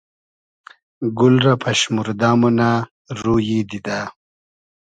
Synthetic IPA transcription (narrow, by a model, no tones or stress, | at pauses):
ɡulɾapʰɐʃmuɾd̪aːmuna | ɾujid̪id̪a